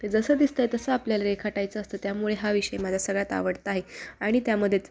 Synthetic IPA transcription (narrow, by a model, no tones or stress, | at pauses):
t̪ed͡zəsəːd̪ist̪əjt̪əsəapljalaɾekʰaʈajt͡səːst̪əːt̪jamuɭeɦaʋiɕəjemad͡zʱasəɡɭjat̪a̰ʋəɽt̪əaːɦeaɽ̃it̪jaməd̪ʱːjet͡s